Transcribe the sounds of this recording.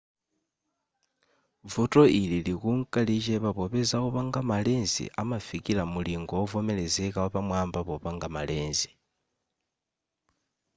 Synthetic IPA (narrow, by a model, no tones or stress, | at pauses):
vuto̞ililikuŋkalit͡ʃeβaβoβezaoβaŋɡamaleːnzḭʔamafikilamuliŋɡovomelezekawaβamwaːmbaβoβaŋɡamaleːnzi̥